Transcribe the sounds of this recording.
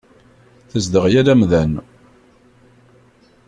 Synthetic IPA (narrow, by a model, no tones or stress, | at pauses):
θəzd̪əʁjælæmðæn